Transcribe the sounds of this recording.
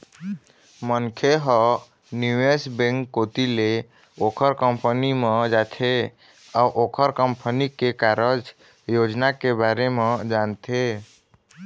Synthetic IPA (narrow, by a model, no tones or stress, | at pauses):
mənkʰeɦɔ | njuesbẽŋkːot̪ile | okʰəɾkəmpənimed͡ʒat̪ʰe | auʔokʰəɾkəmpʰənikekaɾəd͡ʒ | jod͡ʒnakebaɾemed͡ʒant̪ʰe